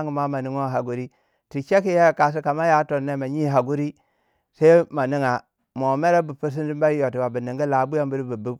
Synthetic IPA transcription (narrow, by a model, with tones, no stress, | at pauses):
ŋi˨ma˦ma˨ni˦ŋo˦˨ɦa˨ɡu˦ɾi˦ | ti˨t͡ʃe˦ki˦je˦˨ka˨s̬i˦ka˨ma˦ja˦to˨ne˦ma˨ɲi˦ɦa˨ɡu˦ɾi˦ | sa˦i˦ma˨ni˦ŋa˨ | mo˨me˦ɾe˦bu˨pu˦s̬i˦ndi˦mba˦jo˨ti˨ba˨bi˨ni˨ŋɡi˦la˨˦bu˦ja˦mbu˦ɾi˦bi˨bu˦b